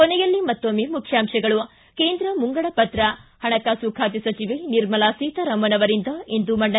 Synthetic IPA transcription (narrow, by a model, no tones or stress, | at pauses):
kɔnɛjɐlːimɐt̪ːoːmemukʰjaːmʂɐɡɐɭu | keːnd̪ɾɐmuŋɡɐɭɐpɐt̪ɾɐhɐɳɐkasuːkʰaːt̪̬isɐt͡ʃiʋeniɾmɐlaːsiːt̪ɐɾɐmbɐnɐʋɐɾind̪ɐind̪umɐɳɖɐ